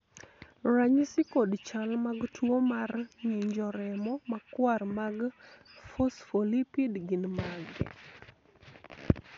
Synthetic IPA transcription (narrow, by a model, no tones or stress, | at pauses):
raɲsɪkodt͡ʃalmaɡtwomarɲiɲd͡ʒɔɾɛmɔmakwarmaɡfosfolipidɡɪnmaɡɛ̰